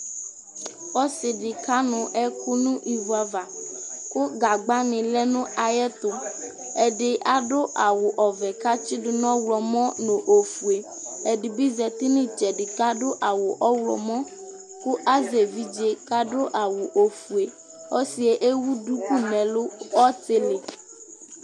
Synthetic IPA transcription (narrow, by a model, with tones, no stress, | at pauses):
ɔ˦sɪ˨ɖɪ˨ka˦nʊ̃˨ʔɛ˦ku˦nũ˦ʔi˨vu˨a˨va˨kʊ˦ɡa˨ɡ͡ba˦nɪ̃˨lɛ˦nʊ̃˦a˨jɛ˦t̪ʊ˨ | ɛ˨ɖɪ˨ʔa˦ɖo˦ʔa˨wʊ˨ʔɔ˨vɛ˨ka˦t͡ʃi˦dʊ˨nɔ̃˦wlɔ˨mɔ̃˦nõ˨ʔo˨fu˨e˨ | e˨ɖi˨bi˦zɛ˨t̪i˦nĩ˦t͡ʃɛ˨ɖɪ˨ka˦ɖo˦ʔa˨wo˨ʔɔ˦wlɔ̰˨mɔ̃˦ | ku˦ʔa˦ze˨vi˦d͡ʒe˦ka˦ɖo˦ʔa˨wu˨ʔo˨fu˨e˨ | ɔ˦si˨e˦ʔe˦wu˦du˦ku˦nɛ̃˨lo˦ɔ˦te˦le˨